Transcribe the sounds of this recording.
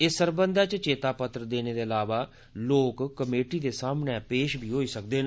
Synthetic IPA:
ɪsəɾbənd̪aːt͡ʃt͡ʃeːt̪aːpət̪ɾəd̪eːneːd̪eːəlaːʋaː | loːkkːəmeːʈiːd̪eːsaːmnɛːpeːʃbʱiːɦoːiːsəkd̪eːn

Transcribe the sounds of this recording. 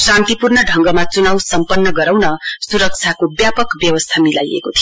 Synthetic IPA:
sãnt̪ipurɳʌɖʱʌŋɡʌmat͡sunawsʌmpʌnːʌɡʌɾawnʌsuɾʌk̚t͡sʰakobjapʌkbjʌwʌst̪ʰamila̰jḛkot̪ʰijo

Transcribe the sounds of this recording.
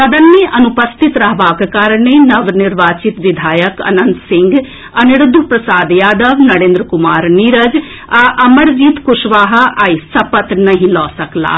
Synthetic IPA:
sɐd̪ənːeʔɐnʊpəst̪ɪt̪ɾɐɦʋaːkkaːɾɳenɐʋnɪɾʋaːt͡ʃɪt̪ʋɪd̪ʱaːjəkɐ̰nənt̪sɪ̃ŋɡ | ɐnɪɽʊd̪ʱupɾɐsaːd̪jaːd̪əʋnɐɽẽːnd̪ɾkʊmaːɾniɾəd͡ʒ | aʔɐməɽd͡ʒiːt̪kʊʃʋaːɦaʔaisɐpət̪nɐɦĩlɔːsɐkla̰ː

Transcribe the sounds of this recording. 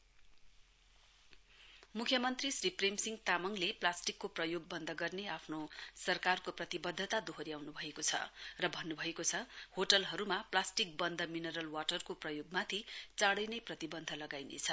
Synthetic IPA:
mukʰjʌmʌnt̪risripremsiŋɡt̪amʌŋleplasʈikːoprʌjoɡ̚bʌnd̪ʱʌɡʌrneapʰnosʌrkarkoprʌt̪ibʌd̪ʱːʌt̪ad̪oɦʌɾiawnubʱʌekot͡sʰʌ̰rʌbʱʌnːubʱʌekot͡sʰʌhoʈʌlɦʌɾumaplasʈik̚bʌnd̪ʱʌminʌɾʌlwaʈʌrkoprʌjoɡ̚mat̪ʰit͡saɽʌjnʌjprʌt̪ibʌnd̪ʱʌlʌɡajnḛt͡sʰʌ

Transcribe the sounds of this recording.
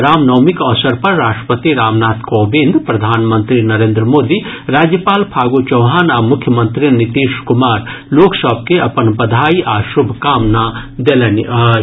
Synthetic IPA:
ɾaːmnɐːmikɔːsɐɾpɐɾːaːʂʈɾə̥pət̪iɾaːmnaːt̪koːbĩnd̪pɾɐd̪ʱaːnmɐ̃nt̪ɾinɐɾẽːnd̪ɾəmoːd̪iɾaːd͡ʒjəpaːlpʰaːɡoːt͡ʃɐwɦaːnaːmʊkʰjəmɐnt̪ɾinit̪iːʃkumaːɾloːksɐb̚keɐpɐnbɐd̪ʱaːiʔaːʃubʱkaːmnad̪elɐni

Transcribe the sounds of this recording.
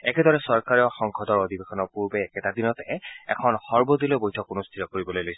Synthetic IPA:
ɛkɛdɔɹɛsɔɹkaɹiɔxɔŋkʰɔdɔɹod̪ibexʰɔnɔɹpuɹbɛːkɛtad̪inɔtɛɛ̰kʰɔnxɔɹbod̪ilojbojtʰɔkunostʰitɔkoɹibɔlojlojsɛ

